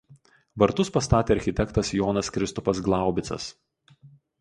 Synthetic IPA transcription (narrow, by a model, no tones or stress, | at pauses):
ʋɐɾt̪ʊspɐst̪ɑːt̪ʲeːɐɾʲxʲɪt̪ʲɛkt̪ɐsjɔːnɐskɾʲɪst̪ɔpɐs̬ɡlˠɑˑʊbʲɪt̪sɐ̰s